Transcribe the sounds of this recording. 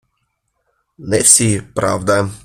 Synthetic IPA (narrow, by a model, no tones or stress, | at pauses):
nɛfsʲipɾa̰vd̪a